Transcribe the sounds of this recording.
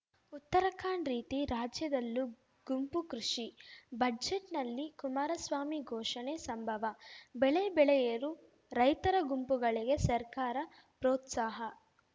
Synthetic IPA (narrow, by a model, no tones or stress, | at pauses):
ut̪ːɐɾɐkʰaːɳɾiːt̪iɾaːd͡ʒjɐd̪ɐlːu | ɡ̥umpukɾuʂibɐd͡ʒeʈnɐlːikumaːɾɐsʋaːmiɡʱɔːʂɐnesɐmbʱɐʋɐbɛɭebɛɭɛjɐɾu | ɾɐjt̪ɐɾɐɡumpuɡɐɭiɡe̞sɐɾkaːɾɐ | pɾɔːt̪saːɦɐ